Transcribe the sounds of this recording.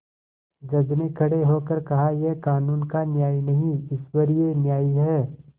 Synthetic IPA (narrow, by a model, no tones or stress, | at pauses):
d͡ʒɐbnekʰɐɽeɦoːkəɾkɐɦajekaːnuːnkanjaːinɐɦĩɪswɐɾienjaːiɦɛː